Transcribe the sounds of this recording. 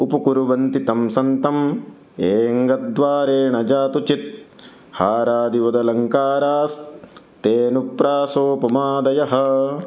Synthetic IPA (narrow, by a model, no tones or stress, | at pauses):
upɐkuɾuʋɐnt̪it̪ɐmsɐnt̪ɐm | eːŋɡɐd̪ʋaːɾeːɳɐd͡ʒaːt̪ut͡ʃit̪̚ | haːɾaːd̪iʋɐd̪ɐlɐŋkaːɾaːs | t̪eːnupɾaːsoːpɐmaːd̪ɐjɐɦɐ̆